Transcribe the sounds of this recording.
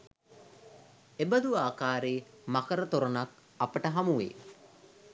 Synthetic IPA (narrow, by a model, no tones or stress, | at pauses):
ebəd̪uaːkaːɾeː | makəɾət̪oɾonak | apəʈəɦamuʋḛː